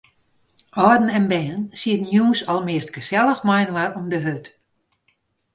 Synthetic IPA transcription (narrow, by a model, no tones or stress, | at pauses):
ɔdn̩ɛnbɛːnsiətnjuːsɔlˠmɪəstɡ̥əsɛlˠəxmajnʋarɔmdəɦøt